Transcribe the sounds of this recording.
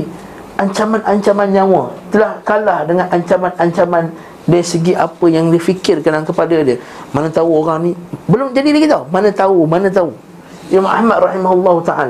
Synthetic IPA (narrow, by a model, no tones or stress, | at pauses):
ʔaɲt͡ʃamanʔaɲt͡ʃamanɲãwat̪əlahkalahdəŋãnʔaɲt͡ʃamanaɲt͡ʃaman | dasəɡiʔapəjaŋdifikɪrkanaŋkəpadadiə | manãt̪auoɣaŋnibəlʊmd͡ʒadilaɡit̪aumanãt̪aumanãt̪̬au | ʔimamʔa̰hmadrɑhimaɦulːɔhut̪aʔa̰la